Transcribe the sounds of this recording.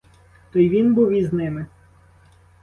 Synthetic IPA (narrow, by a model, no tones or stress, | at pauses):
t̪ɔjʋʲinbuwiznɪmɪ